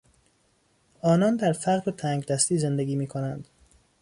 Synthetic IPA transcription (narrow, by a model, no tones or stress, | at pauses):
ʔɒːnɒːnd̪æɾfæɣɾet̪ʰæːŋɡd̪æst̪iːze̞nd̪e̞ɡiːmiːkʰo̞nænd̪̥